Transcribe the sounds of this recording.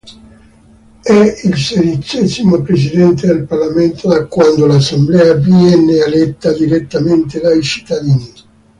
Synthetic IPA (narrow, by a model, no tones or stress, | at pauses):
ɛilsed̪it͡ʃɛzimopɾes̬id̪ɛnt̪̬ed̪elparlament̪ʰod̪akːwand̪olasemblɛːaviɛnːealɛt̪ːad̪iɾet̪ːament̪ed̪ajt͡ʃi̥t̪ːad̪iːni